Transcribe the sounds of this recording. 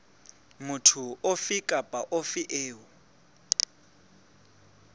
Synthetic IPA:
mutʰuofikʼapʼaʔofiʔeːwu

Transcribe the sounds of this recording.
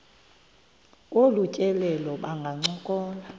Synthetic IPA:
kʼolucʼɛlɛlɔɓaŋɡʱaŋ͡ǀɔkʼɔːna

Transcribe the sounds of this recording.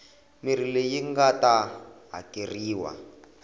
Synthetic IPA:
mir̤ilejiŋɡataɦa̰kiriːwa̰

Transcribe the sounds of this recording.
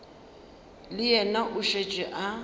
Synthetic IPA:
lɪjɛnaʔʊʃet͡ʃʼɛʔa

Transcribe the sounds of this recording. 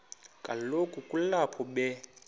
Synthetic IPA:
kʼalokʼukʼulapʰɔɓɛ

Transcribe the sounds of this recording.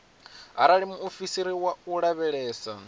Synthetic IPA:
ɦa̰ɾaɺimuofisiɾiwauɺaβɛɺɛːsa

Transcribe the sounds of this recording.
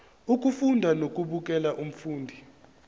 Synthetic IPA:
uk̬ʼufundʱanokʼuɓukʼɛlaʔum̩fuːndʱi

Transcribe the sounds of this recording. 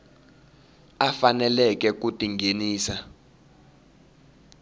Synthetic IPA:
afanɛlɛk̬ɛk̬utʼiŋɡʱeniːsa

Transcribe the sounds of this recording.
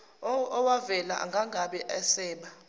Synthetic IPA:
ɔwavɛla̰ʔa̰ŋɡʱaŋɡʱaɓɛʔɛsɛːɓa

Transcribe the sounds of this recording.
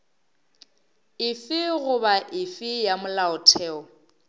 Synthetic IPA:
ɪfɪɣʊbaʔɪfɪjamʊlaʊtʰɛːɔ

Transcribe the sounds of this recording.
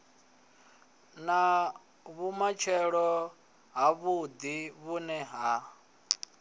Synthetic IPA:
na | βumat͡ʃʰɛɺɔ | ɦaβud̪iβunɛɦa

